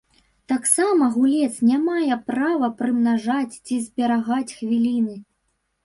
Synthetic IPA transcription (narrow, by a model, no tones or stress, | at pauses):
t̪aksamɐɣulʲɛt̪snʲamajɛpɾavɐpɾɨmnaʐat͡sʲt͡sʲizʲbʲɛɾaɣat͡sʲxvʲilʲinɨ